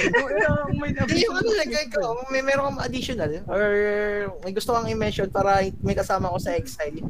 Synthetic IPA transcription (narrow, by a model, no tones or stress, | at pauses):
mɐj̪ɐjoɐnɐlɐɐkɐmɛmɛːɾokɐmɐʔɐd̪iʃonɐlʔoɹmɐjɡʊst̪okɐŋɪmɛʃonpaːɾɐmɐjkɐsaːmɐko̞sɐʔɛksajl